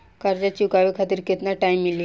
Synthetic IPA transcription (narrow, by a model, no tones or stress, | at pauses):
kəɾd͡ʑat͡ɕikaʋikʰat̪iːɾket̪naʈaimːilj